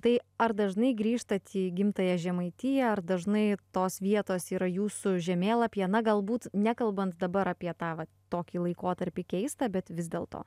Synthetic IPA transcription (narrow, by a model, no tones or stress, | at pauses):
t̪ɐɪɐɾd̪ɐʒnɐɪɡɾʲiːʃt̪ɐt̪ʲʰiːɡʲɪmt̪ɐjɛʒʲɛmɐɪt̪ʲɪjɛɐrd̪ɐʒnɐɪt̪oːsʋʲiɛt̪oːsiːɾɐjuːsʊʒʲɛmʲeːlˠɐpʲjɛnɐɡɐlˠbuːt̪nʲækɐlˠbɐnt̪d̪ɐbɐɾɑːpʲiɛt̪ɑːʋɐ | t̪oːkʲiːlˠɐɪkoːt̪ɐɾʲpʲɪkʲɛɪst̪ɐbʲɛt̪ʋʲɪzd̪ʲeːlˠt̪o̰ː